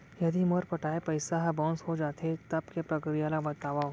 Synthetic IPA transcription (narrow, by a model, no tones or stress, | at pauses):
jɐd̪iməɾpɐʈaːepɐɪsaɦbɔ̃ːnsɦod͡ʒaːt̪et̪ɐbkepɾɐkɾijaːlabɐt̪aːʋaɦ